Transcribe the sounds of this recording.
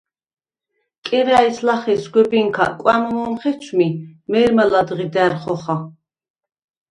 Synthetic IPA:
kʼɛɾæislaχɛsɡwɛbiŋkʰa̰kʼwænɔmɔmχɛt͡ʃʰmimɛɾmalad̪ʁid̪æɾχɔχa

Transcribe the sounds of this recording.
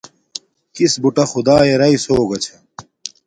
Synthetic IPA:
kisbuʈɐxʊd̪aːeɾɐisoːɡɐt͡ɕʰɐ

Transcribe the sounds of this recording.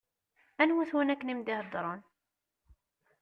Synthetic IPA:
ænwæθwənækːənimd̪ɪhəd̪ˤɾˤon

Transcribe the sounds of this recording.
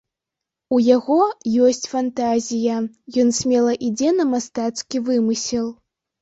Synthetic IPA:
ujaɣɔjɔsʲt͡sʲfant̪azʲijɐ | jɔnsʲmʲɛlˠɐʔid͡zʲɛnɐmast̪at̪skʲivɨmɨsʲɛlˠ

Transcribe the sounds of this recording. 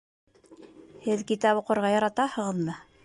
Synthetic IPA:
hɘðkit̪ɑpuqŏɾʁɑjɑɾɑt̪ɑhɤ̆ʁɤ̆lˠmɤ

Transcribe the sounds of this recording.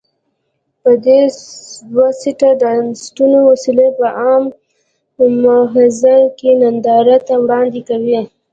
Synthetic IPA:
pəd̪e | wasiʈaɖansʈunowasilepəʔɑːm | maɦɪzakenand̪ɑɾat̪awɽɑnd̪ikawi

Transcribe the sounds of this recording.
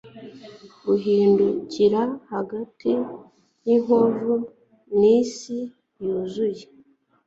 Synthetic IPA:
ɡuɦiːnduciɾahaɡati | jiɦovu | misi | juːzuje

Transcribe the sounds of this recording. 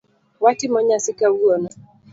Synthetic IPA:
watɪmɔɲasɪkauɔna

